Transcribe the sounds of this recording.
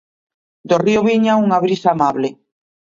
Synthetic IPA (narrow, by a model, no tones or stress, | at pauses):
d̪orioβiɲauŋaβɾisaːmaβlɪ